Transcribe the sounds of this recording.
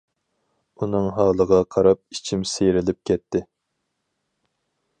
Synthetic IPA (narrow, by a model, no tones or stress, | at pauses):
unɨŋɦɑːlˠəʁɑqʰɑɾɑp̚i̥t͡ʃʰimsejɾɪlɪp̚kʲʰɛt̪ʰːɪ